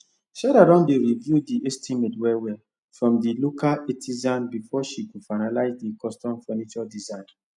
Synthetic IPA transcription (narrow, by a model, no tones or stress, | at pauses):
ʃaɾaɾɔ̃ndeɹivjudiestʰimetwɛwɛ | fɹɔ̃mdilokaetʰizãnbifɔʃikufaɪnalaɪzdikɔstɔ̃mfɛnit͡ʃɔdizãɪ̃n